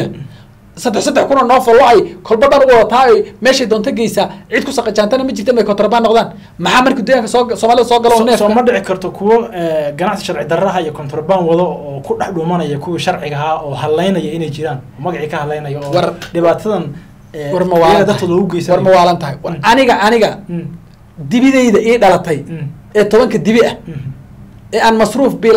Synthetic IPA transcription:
sɐd̪ɛħsɐd̪ɛħkʊnɐnɔːfɔlːɔɛjkʰɔlbɐb̪aːnʊwɔðɐt̪ʰaːɛjmɛːʃɛjd̪ɔːnt̪ʰɐɡɛjsaʕid̪kʰʊsɐqɛt͡ʃaːnt̪ʰɐnɐmɐt͡ʃɪrt̪ʰɛnmɛjkʰɔnt̪ɾɔbaːnːɔqðaːn | mɑħɑːmɐrkʰiːd̪ɔjaːŋkʰɐssɔːmaːlɪðɐsɔːɡɐlɔnːɛːsɔmɐɖɪʕɪkʰɐrt̪ʰɔkʰʊwɔɛːɡɐnaʕsiʃɐɾʕɪd̪ɐrɐɦɐijɔkʰɔnt̪ʰɾɔbaːnwɐðɔɔːkʰʊɖɐħɖʊmɐnɐjɐkʰʊwiʃɐrʕɪɣɐaɔːɦɐlːɛjnɐjɐɪnɛjt͡ʃɪɾaːnɔːmɐɣɑʕikʰɐhɐlːɛjnɐjɔwɑrɖɪβaːt̪ʰɐðɐnː | wrmɐwaːlɐɣɐd̪ɐkʰɔːðɔʊɡɛjsɐwrmɐwaːlɐnt̪ʰɐɦɛjwɐnɪɣɐʔɐnɪɣɐ | d̪ɪβɪðɛjðɐʔiːɖɐlɐt̪ʰɛj | ɛːt̪ʰɔβɐŋkʰɐd̪ɪβɪʔɐ | ɛːaːnmɐsruːfbiːl

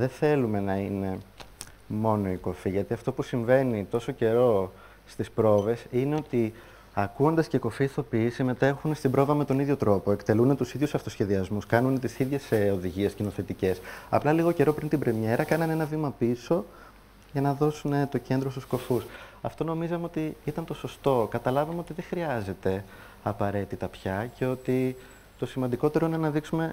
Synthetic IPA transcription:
ðe̞θe̞lume̞nɐine̞ | mo̞no̞iko̞fiʝɐt̪iɐft̪o̞pusiɱve̞nit̪o̞so̞ce̞ɾo̞ | st̪ispɾo̞ve̞sine̞o̞t̪i | ɐkuo̞nd̪ɐsceiko̞fiːθo̞pisime̞t̪e̞xunest̪ibɾo̞vɐme̞t̪o̞niðʝo̞t̪ɾo̞po̞e̞kt̪e̞lunet̪usiðʝusɐft̪o̞sçe̞ðiɐzmuskɐnunet̪isiðʝe̞seo̞ðiʝie̞scino̞θe̞t̪ice̞sɐ̰plɐliɣo̞ce̞ɾo̞pɾint̪ibɾe̞mɲe̞ɾɐkɐnɐne̞nɐvimɐpiso̞ | ʝɐnɐðo̞sune̞t̪o̞ce̞nd̪ɾost̪u̥sko̞fusɐft̪o̞no̞mizɐmeo̞t̪iit̪ɐnt̪o̞so̞st̪o̞kɐt̪ɐlɐvɐmeo̞t̪iðe̞xɾiɐze̞t̪e̞ | ɐpɐɾe̞t̪it̪ɐpçɐce̞o̞t̪i | t̪o̞simɐnd̪iko̞t̪e̞ɾo̞ine̞nɐðiksume̞

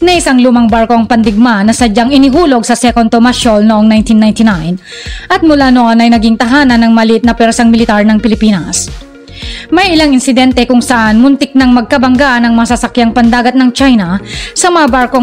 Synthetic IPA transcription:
nɐʔɪsaŋlumɐŋbaɹko̞ɐŋpɐnd̪ɪɡ̚manɐsɐd͡ʒaŋɪnɪɦuːlo̞ɡsɐsɛkont̪omaʃolnoʔoŋnajnt̪inːajnt̪ɪnajnʔɐt̪̚mʊlaːnoʔonɐjnɐɡiŋt̪ɐɦaːnɐnːɐŋmɐlɪʔɪt̪̚nɐpɛɾsaŋmɪlɪt̪aɹnɐŋpɪlɪpiːnɐs | mɐjʔɪlaŋɪnsɪd̪ɛnt̪ɛkʊŋsɐʔanmʊnt̪ɪk̚nɐŋmɐɡ̚kɐbɐŋɡanɐŋmɐɐsɐsɐkjaŋpɐnd̪aːɡɐt̪̚nɐŋt͡ʃajnɐsɐmɐŋabaɹko

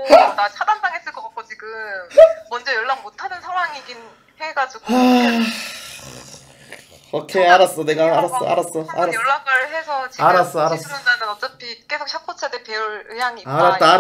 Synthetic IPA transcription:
dasʰadandaŋɦes͈ɯɭk͈ʌk͈ak̚k͈ot͡ɕiɡɯmmːʌnd͡ʑʌjʌɭːaɡmotʰanɯnsʰaŋwaŋiɡin | heɡad͡ʑiɡoa | ʌkʰeaɾas͈ʌneɡaːɾas͈ʌ̰a̰ɾas͈ʌaɾajʌɭːaɡ͈aɾɦe̞sʰʌt͡ɕiaɾas͈ʌaɾasmond͡ʑadɯnʌt͡ɕ͈ʌpʰik͈e̞sʰok̚ɕʰak̚p͈ot͡ɕʰadepeuɭɯjaŋiaɾat͈aa

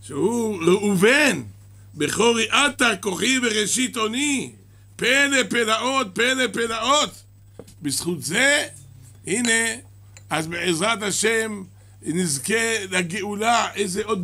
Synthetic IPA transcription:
ʃehuleuven | beχo̞ʁiʔat̪akoχiveʁeʃit̪o̞ni | pelepelaot̪̚pelepelaot̪ | bisχut̪ze | hine | azbeʕezʁat̪haʃem | nizkelaɡeulaʔejzeod̪̚

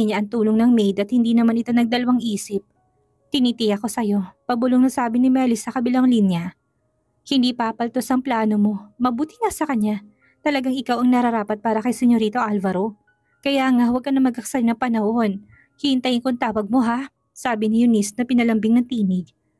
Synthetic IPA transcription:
ɲaʔɐŋt̪uːloŋnɐŋmɛjd̪ɐt̪̚hɪnd̪inɐmanɪt̪o̞nɐɡ̚d̪ɐlɐwaŋʔiːsɪp̚ | t̪ɪnit̪ɪjɐko̞sɐjo̞pɐbʊloŋnɐsaːbɪnɪmɛlɪsːɐkɐbɪlaŋlinja | hɪnd̪ipapɐlt̪o̞sɐŋplaːno̞mo̞mɐbuːt̪ɪŋɐsɐkɐɲːa | t̪ɐlɐɡaŋɪkawɐŋnɐɾɐɾaːpɐt̪̚paːɾɐkɐjsɛɲoɾiːt̪o̞ʔalvɐɾo̞ | kɐjaːŋawɐɡ̚kɐnɐmɐɡkɐksɐɾɪnɐŋpɐnɐho̞n | hɪhɪnt̪ɐjɪnkoŋt̪aːwɐɡ̚mo̞ɦa | saːbɪnɪjʊnisnɐpɪnɐlɐmbɪŋnɐŋt̪iːnɪɡ̚

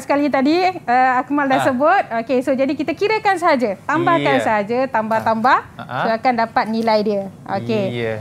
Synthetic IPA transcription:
sə̥kalit̪adiəakmaldasəbʊt̪̚okesod͡ʒadikit̪əkiɾəkans̬əɦad͡ʒət̪ambahkansəɦad͡ʒət̪ambaht̪ambahsoakandapat̪̚nĩlajdiəo̰ke

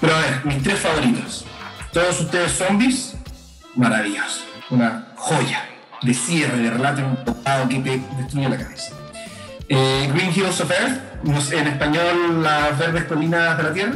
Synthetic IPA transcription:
peɾoaβeɾmist̪ɾesfaβo̞ɾit̪ost̪oðosuht̪eðesːombis | maɾaβiʝosunaxo̞ʝa | d̪esje̞reðerelat̪̬jonunp̪okaðokiped̪est̪ɾujelakaβesḁ | eɡɾiŋxilsofeɾtnosenespaɲolːaβeɾðehkolinazðelat̪jera

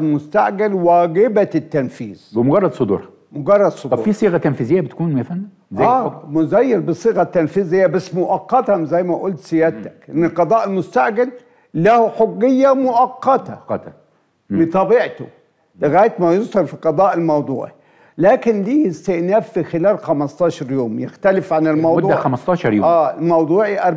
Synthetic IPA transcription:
lmʊst̪aʕɡalwæːɡɪbat̪ːænfḭːz̥bɪmʊɡɑrˤːɑd̪sˤod̪ṵːɾ | mʊɡɑrˤːɑd̪sˤoɑufisˤiːɣæt̪ænfizɪjːæbɪt̪kuːnefænː | zææːmʊzæjːɪɾbɨsˤiːɣɑt̪ːanfiːzɪjːæbasːmʊʔɑqːɑt̪ɑzæjːmæʔʊlt̪sɪjæt̪æ̥kʔɪnːɪlqɑd̪ˤɑːʔɪlmʊst̪aʕɡal | lahħoɡːɪjːamʊʔɑqːɑt̪a̰ | mɪt̪ˤɑbiʕt̪ʊ̰ | lɪɣæːjt̪mæjʊzhɑlfiqɑd̪ˤɑːʔɪlmɑwd̪ˤṵːʕi | læːkɪnliːɪst̪ɪʔnæːfːixɪlæːlxamɑst̪ˤɑːʃɑɾˤjuːmjɪxt̪ælɪfʕanɪlmɑwdʊd̪ˤudːæxæmɑst̪ɑːʃɑɾˤjo̰ʔæːmɑwd̪ˤuːʕiʔɑɾˤ

